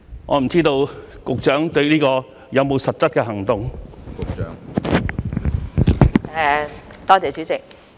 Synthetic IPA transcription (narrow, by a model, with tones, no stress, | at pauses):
ŋʔɔ̰ː˨˧m̩˨˩t͡siː˥t̪o˧wkʊ˨k̚t͡ʃœː˨˥ŋt̪ɵ˧ɥliː˥kɔː˧ | jɐ˨˧wmo˨˧wsɐ˨t̚t͡sɐ˥t̚kɛː˧ɦɐ˨˩ŋt̪ʊ˨ŋkʊ˨k̚t͡ʃœ̰ː˨˥ŋ˨ | t̪ɔː˥t͡sɛː˨˧t͡ʃy˨˥t͡sɪ˨k̚